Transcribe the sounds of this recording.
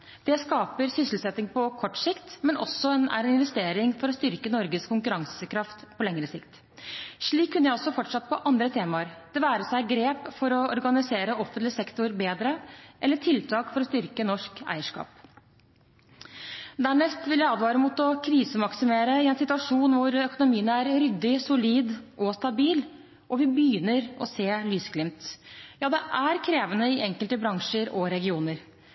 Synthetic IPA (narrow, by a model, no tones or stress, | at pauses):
d̪̥ɛskɑːpəɾsʏsəl̩sɛt̪ːɪŋpʰɔkʰɔʈːsɪkt̪mɛnɔ̰sɔnæ̰ɾɛnɪnʋɛst̪eːɾɪŋfɔɾɔst̪ʏɾkənɔɾɡəskʰʊŋkʉɾɑŋsəkʰɾɑft̪pʰɔlɛŋɾəsɪkt̪ | ʂɭiːkʰːʉnːəjæɪɔsːɔfɔʈʂɑt̪ːpʰɔʔɑnd̪ɾət̪ʰeːmɑəɾd̪̥ɛʋæːɾəsæɪɡɾeːpfɔɾɔɔɾɡɑnɪseːɾəʔɔfənt̪lɪsɛkt̪ʊɾbeːd̪ɾəʔɛlːəʈʰɪlt̪ʰɑːkfɔɾɔst̪ʏɾkənɔʂkæ̰ɪəʂkɑ̰ːp | d̪æːɳɛst̪ʋɪljæɪɑːd̪ʋɑːɾəmuːt̪ɔkʰɾiːsəmɑksɪmeːɾəɪɛnsɪt̪ʉɑʂuːnʋʊɾœkʊnʊmiːənəæɾɾʏd̪ːɪsʊliːd̪ʔɔst̪ɑbiːl | ʔɔʋɪbjʏnəɾɔseːlyːsɡlɪmt̪jɑːd̪ɛʔæɾkʰɾeːʋənəɪʔɛŋkəlt̪əbɾɑŋʂəɾɔɾɛɡɪuːnəɾ